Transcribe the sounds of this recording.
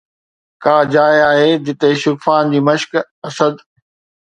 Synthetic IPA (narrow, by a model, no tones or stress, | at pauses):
kaːd͡ʑaːjaːɦeːd͡ʑ̪ɪt̪eʃʊkfaːnd͡ʑiːmɐʃk | ɐsəd̪